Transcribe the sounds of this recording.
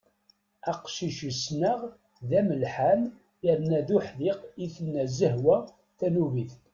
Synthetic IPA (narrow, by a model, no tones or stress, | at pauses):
æqʃiʃəsnəʁ | ðæməlħam | jəɾnæðuħðɪqiθənːæzəɦwæ | θænuviθ